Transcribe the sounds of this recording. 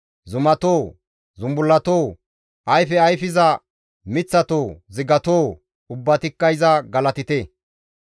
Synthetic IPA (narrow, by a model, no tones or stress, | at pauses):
zʊmɐt̪oː | zʊmbʊlːɐt̪oː | ʔɐjfɛɐjfɪzɐ | mɪt͡sːɐt̪oːzɪɡɐt̪oː | ʊbːɐt̪ɪkːɐjzɐɡɐlɐt̪ɪt̪e